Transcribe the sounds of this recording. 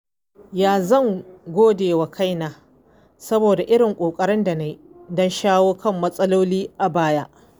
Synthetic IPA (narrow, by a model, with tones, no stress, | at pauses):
jaː˦˨zɐ˦˨ŋɡʷoː˦deː˨wa˨kʰa˦jnaː˨ | sɐ˦boː˨da˨ʔɪ˦ɽɪ˨ŋkʷʼoː˨kʼɐ˦ɽɪ˦nda˨na˦ji˦dɔ˦nʃaː˦woː˦kɐ˦˨mːɐ˦sʼɐ˦loː˦liː˦ʔa˨baː˦ja˦ʔ